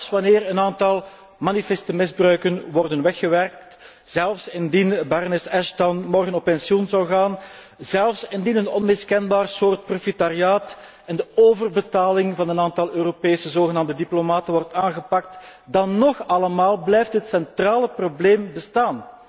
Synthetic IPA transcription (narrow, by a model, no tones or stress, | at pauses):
sʋɑneːrənaːntɑlˠ | manifɛstəmɪzbrœɥkənwɔrdənʋɛxːəʋɛrk̚t | z̥ɛlˠfsɪndinbɛɾnɪsɛʃtɔnmɔrɣənɔpːɛnsiɔnzɑwˠɣaːn | zɛlˠfsɪndinənɔnmɪskɛnbaːrsoːrt̚profitariaːt | ɛndəoːvərbətaːlɪŋvɑnənaːntɑlˠøːɾopeːsəzoːɣənaːmdədiplomaːtənʋɔrtaːnɣəpɑk̚tdɑnːɔxɑləmaːlˠblɛjftɦətsɛntraːləprobleːmbəstaːn